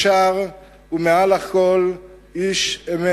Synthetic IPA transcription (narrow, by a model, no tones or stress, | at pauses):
ʃaʁ | umealhakʰol | iʃeme